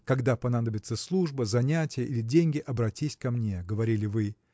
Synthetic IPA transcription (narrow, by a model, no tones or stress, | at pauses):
kɐɡd̪apɐnad̪əbʲɪt̪səslˠuʐbəzɐnʲætʲɪjəʔilʲɪdʲenʲɡʲɪʔɐbɾɐtʲisʲkɐmnʲeɡəvɐɾʲilʲɪvɨ